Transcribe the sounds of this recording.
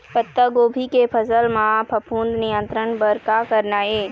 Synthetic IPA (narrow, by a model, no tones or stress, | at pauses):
pət̪ːəɡoːbʱikepʰəzəlmãpʰəpʰuːnd̪nijə̃nt̪ɾənbəɾkakəɾnaːeː